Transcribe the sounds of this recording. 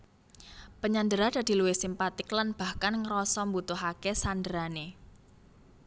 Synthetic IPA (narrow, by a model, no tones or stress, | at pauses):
pəɲand̪əɾad̥a̤d̪̥i̤luwesimpat̪ɪklanb̥a̤hkanŋɾɔsɔmbut̪ʊɦakesandəɾane